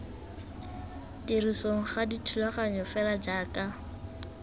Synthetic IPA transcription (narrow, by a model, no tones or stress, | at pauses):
tirisoŋ̩χaditʰulaχaɲɔfɛlad͡ʒaːkʼa